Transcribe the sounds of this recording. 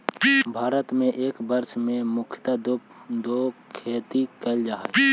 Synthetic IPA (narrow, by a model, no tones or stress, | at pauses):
bʱaːɾət̪mẽʔeːkbəɾʃmẽmʊkʰjt̪ad̪ | d̪okʰeːt̪ikəld͡ʒaːɦ